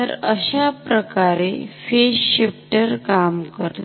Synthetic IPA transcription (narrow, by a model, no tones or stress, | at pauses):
əɾəɕapɾəkaɾefeɕɕipʈəɾkamkəɾl